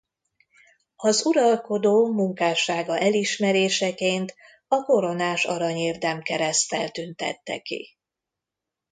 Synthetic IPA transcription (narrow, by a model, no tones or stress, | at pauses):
ɒzuɾɒlko̞d̪oːmuŋkaːʃaːɡɒʔɛliʃmɛɾeːʃɛkeːnt̪ | ɒko̞ɾo̞naːʃɒ̰ɾɒɲeːrd̪ɛmkɛɾɛst̪ɛlt̪ynt̪ɛ̰t̪ːɛ̰kḭ